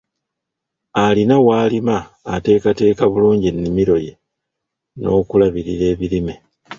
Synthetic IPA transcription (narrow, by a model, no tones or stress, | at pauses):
alinawaːlimaː | te̞ːkate̞ːkaβuluːɲɟinːimiɾo̞je | no̞ːkulaβiɾiɾe̞ːβiɾime